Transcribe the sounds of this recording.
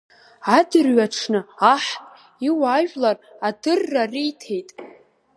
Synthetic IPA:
adɨrɥaʈ͡ʂʰnɨaħpʼ | iwaʒʷᶣlar | adɨrːarijtʰe̞jtʼ

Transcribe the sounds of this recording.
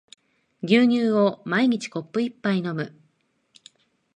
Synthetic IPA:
ɡʲɨːɲ̟ɨːo̞maiɲ̟it͡ɕi̥ko̞pːɯ̟ipːaino̞mɯ̟

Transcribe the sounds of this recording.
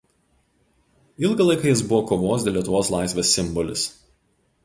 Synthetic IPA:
ɪlˠɡɐlˠɐɪkɐjɪsbʊʋɔːkoːʋoːsd̪ʲeːlʲiɛt̪ʊʋoːslˠɑˑɪsʲʋʲeːsʲːɪmbɔlʲɪ̰s

